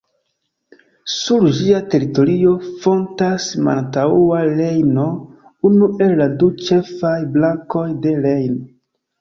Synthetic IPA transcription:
suɾd͡ʒiate̞ɾito̞ɾio̞fo̞ntasma̰ntauale̞jno̞ | unuʔe̞lːadut͡ʃe̞fajblaŋko̞jde̞le̞jno

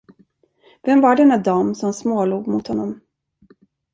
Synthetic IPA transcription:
vɛmvaɖɛnːad̪ɑːmsɔmsmoːluːɡmʊt̪hɔnːɔm

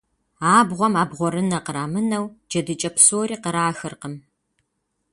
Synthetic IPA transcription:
aːbʁʷɔmaːbʁʷɔɾɨnɐqəɾaːmɨnɐwd͡ʒɐdɨt͡ʃʼɐpsoːɾiːqəɾaːxɨrqəm

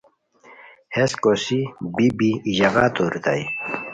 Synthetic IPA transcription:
heskosibibiːʑaɣaːt̪oɾit̪a̰i

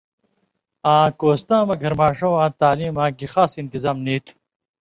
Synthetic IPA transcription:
ãːkoːst̪ãːmɐɡʱɐɾmaːʂõːãːt̪aːliːmãːkixaːsint̪izaːmniːt̪ʰu̥

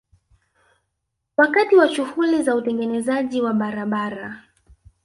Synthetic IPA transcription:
wakatiwaʃuhulizautɛŋɡɛnɛzaʄiwaɓaɾaɓaɾa

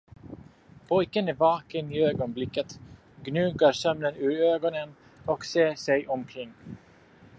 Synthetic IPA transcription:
pʰɔjkənæɾvɑːkəniːøːɡɔnblɪkːət̪ | ɡnʉ̟ːɡaɾsœmnənʉ̟ːɾøːɡɔnən | ɔkseːʂɛjʔɔmkʰɾɪŋː

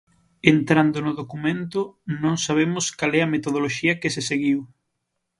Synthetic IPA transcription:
ent̪ɾand̪ʊnʊðokumẽnt̪ʊnõŋsaβ̞emʊskalɛɐmet̪oð̞oloʃiɐkeseseɣiw

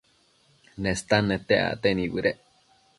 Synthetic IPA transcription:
nẽst̪anẽt̪eʔa̰t̪enĩbɨɾeʔ

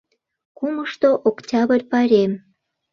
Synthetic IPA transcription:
kuməʃt̪oʔoktʲɑβərʲpɑɾʲem

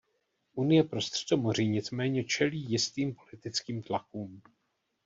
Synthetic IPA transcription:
ʔunɪjɛpɾo̞st̪r̝̥ɛdo̞mo̞r̝iɲɪt͡smɛːɲɛt͡ʃɛliːjɪst̪iːmpo̞lɪt̪ɪt͡skiːmt̪lakuːm

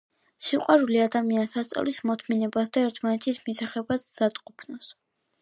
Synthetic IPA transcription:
siqʼwaɾuliad̪amiansast̪sʼa̰lismɔt̪ʰminɛbasd̪aɛɾt̪ʰmanɛt̪ʰismisaχɛbad̪̥ːat̪ʼqʼupʰnɔs

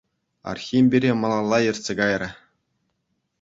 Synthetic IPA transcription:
ɑ̰rxʲimʲbʲiɾʲemɤ̆lˠɑlˠːɑjɤ̆rʲtsʲeɡɑjrʲɘ̆

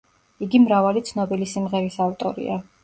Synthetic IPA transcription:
iɡimɾavalit̪sʰnɔbilisimʁɛɾisavt̪ʼɔɾḭa

